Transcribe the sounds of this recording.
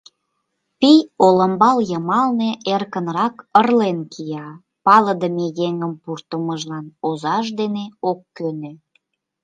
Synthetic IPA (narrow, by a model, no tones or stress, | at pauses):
pijolə̆mbɑljəmɑlneʔerkənrɑkərlenkʰijɑ | pɑləd̪əmejeŋəmpurt̪əməʒlɑnozɑʃ̬d̪eneokːønø